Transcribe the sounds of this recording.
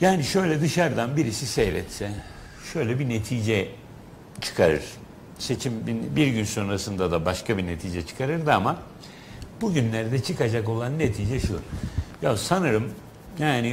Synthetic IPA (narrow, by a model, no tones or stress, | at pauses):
jaːniʃø̞jlʲɛd̪ɯʃaɾd̪anbiɾisisɛjɾɛ̰t̪sɛ | ʃø̞jlʲɛbine̞t̪ʰiːd͡ʒɛ | t͡ʃʰɯ̥kʰaɾɯ̰ɾ̥ | se̞t͡ʃʰimbinbiɾɟynso̞nɾasɯnd̪ad̪abaʃkʰabine̞t̪ʰiːd͡ʒɛt͡ʃʰɯ̥kʰaɾɯɾd̪ɯama | buɟynlʲæɾd̪ɛt͡ʃʰɯkad͡ʒako̞lˠanːet̪ʰiːd͡ʒɛʃujasanɯɾɯm | jaːni